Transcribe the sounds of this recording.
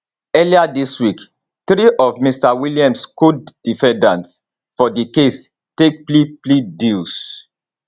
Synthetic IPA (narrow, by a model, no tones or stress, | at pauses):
ɛliadiswik | θɾiʔɔvmistawiliãmskudd̥ifɛ̃ndãnt | fɔdikes | tek̚pliplidils